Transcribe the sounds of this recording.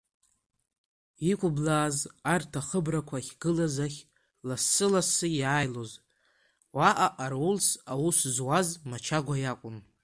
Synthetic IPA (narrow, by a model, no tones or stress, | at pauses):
ikʷʰʼʊblaːzartʰaχəbrakʷʰaχʲɡɨlazaχʲ | lasːɨlasɨjaːjlo̞z | waʔaʔarwʊlsawuszwazmat͡ʃʰaɡʷajakʷʼʊm